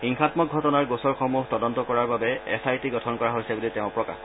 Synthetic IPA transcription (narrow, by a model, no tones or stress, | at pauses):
xiŋxatmɔk̚ɡʱɔtɔnaɹɡosɔɹxɔmuɦtɔdɔntɔkɔɹaɹbabɛɛ̰sajtiɡɔtʰɔnkɔɹaɦojsɛbulitɛʊ̃pɹɔka̰x